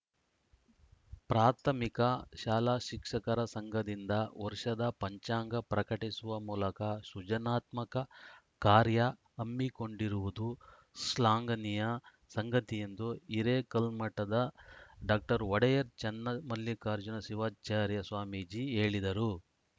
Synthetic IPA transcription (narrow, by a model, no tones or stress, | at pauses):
pɾaːt̪ʰɐmikɐʃaːlaːʃikʂɐkɐɾɐsɐŋɡɐd̪ind̪ɐʋɔɾʂɐd̪ɐpɐɲt͡ʃaːŋɡɐpɾɐkɐʈisuʋɐmuːlɐkɐsud͡ʒɐnaːt̪mɐkɐ | kaːɾjɐ | ɐmːiko̞ɳɖiɾuʋud̪u | slaːŋɡɐnijɐ | sɐŋɡɐt̪ijend̪uiɾeːkɐlmɐʈːɐd̪ɐɖaːk̚ʈɐɾʋɔɽɛjɐɾt͡ʃɛnːɐmɐlːikaːɾd͡ʒunɐsiʋaːt͡ʃaːɾjɐsʋaːmid͡ʒiːe̞ːɭid̪ɐɾu